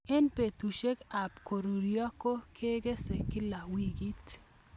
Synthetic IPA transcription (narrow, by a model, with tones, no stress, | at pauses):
ɛ˦npe˨t̪u˨ʃe˦ka˨pko˨ɾu˨ɾjɔ˦ko˦kʰe˦ɡe˦se˨kɪ˦la˨wi˦ɡi˦t